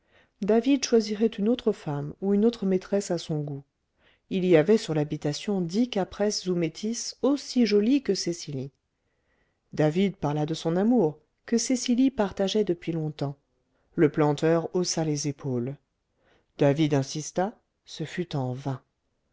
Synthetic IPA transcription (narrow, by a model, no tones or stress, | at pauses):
d̪avid̪ʃwaziʁɛt̪ynot̪χəfamuynot̪χəmet̪χɛsasɔ̃ɡu | iliavɛsyʁlabit̪asjɔ̃d̪ikapχɛszumet̪ʰisosiʒɔlikəsesili | d̪avid̪̚paʁlad̪əsɔ̃namuʁ | kəsesilipaʁt̪aʒɛd̪əpɥilɔ̃t̪ɑ̃ | ləplɑ̃t̪œʁosalezepʰol | d̪̥avid̪ɛ̃sist̪a | səfyt̪ɑ̃vɛ̃